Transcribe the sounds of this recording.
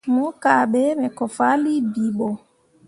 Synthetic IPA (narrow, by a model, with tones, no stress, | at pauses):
mɔ˦kaɓɛmɛ˨kɔfa˦li˦biɓɔ˨